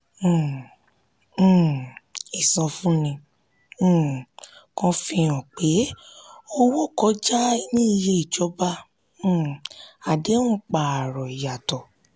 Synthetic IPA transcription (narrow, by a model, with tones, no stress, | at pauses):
i˨sɔ̃˧fũ˦nĩ˧˨ | kɔ̃˧fĩ˧ɔ̃˨k͡pe˨˦o˦wo˦˨kɔ˨˧˦d͡ʒa˦i˦nĩ˦i˧je˧˦i˨d͡ʒɔ˨˦bã˦˨ | a˨de˨˦ũ˦k͡pa˨a˨ɾɔ˨i˨ja˨tɔ˨